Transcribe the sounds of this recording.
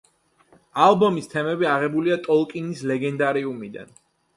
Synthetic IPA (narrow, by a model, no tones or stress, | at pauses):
alˠbɔmist̪ʰɛmɛbiaʁɛbuliat̪ʼɔlˠkʼinislɛɡɛnd̪aɾiumid̪a̰n